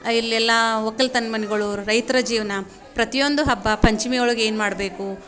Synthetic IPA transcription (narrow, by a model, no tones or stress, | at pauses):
ilːɛlːɐʋɔkːɐlt̪ɐnmɐnɛɡɐɭuɾɐjt̪ɾɐd͡ʒiːʋɐnɐ | pɾɐt̪ijo̞nd̪uɦɐbːɐpɐɲt͡ʃimiɡɐɭuɡe̞ːnmaːɽbe̞ːku